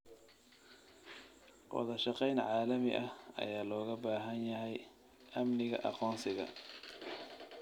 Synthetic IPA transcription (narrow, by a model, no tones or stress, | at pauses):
wɑ̰ðɐʃɑqɛjnʕaːlɐmɪ̰ʔɐhɐ̰jaːlɔːɣɐbaːɦɐnjɐɦɛj | ʔɐmnɪɣɐ̰ʔɑ̰qɔːnsɪɣɐ̰